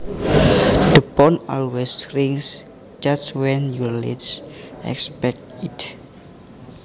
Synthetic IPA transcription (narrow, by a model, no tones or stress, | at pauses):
d̥əbɔnɔlwɛsɾiŋs | d͡ʒastwɛnjɔlḛdsɛ̰kspɛk̚tit